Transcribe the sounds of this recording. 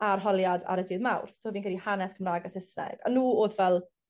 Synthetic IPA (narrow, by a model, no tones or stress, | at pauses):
arɦɔlˠjada̰ɾədɪðmawrθtʰoːvinkʰɛlihanɛskʰəmraːɡasɪsnɛ̰ɡ̥a̰nuːoːðvɛlˠ